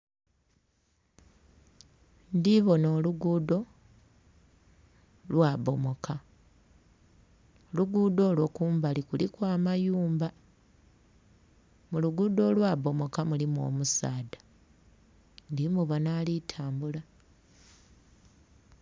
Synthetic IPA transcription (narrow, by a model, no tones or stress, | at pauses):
ndiβo̞no̞ːluɡudo̞ | lwaːβo̞mo̞ka | luɡudo̞lwokuːmbalikulikwaːmajuːmba | muluɡudo̞lwabo̞mo̞kamulimo̰ːmusaːdḁ | ndimuβonalitʰaːmbula